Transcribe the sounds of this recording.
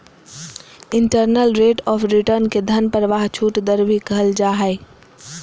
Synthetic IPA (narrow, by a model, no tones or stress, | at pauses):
ɪɳʈəɾnəlɾeːʈɔːfʰɾɪʈəɾnked̪ʱɐnpəɾəʋaːɦt͡ʃʰuːʈd̪əɾʋikɐɦəld͡ʒaːɦɛ